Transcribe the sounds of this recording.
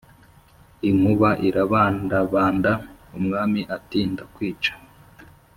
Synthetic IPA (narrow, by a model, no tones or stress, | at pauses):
iŋ̥huβaʔiɾaβaːndaβaːndaumŋaːmiʔatiːndakwiːt͡ʃḁ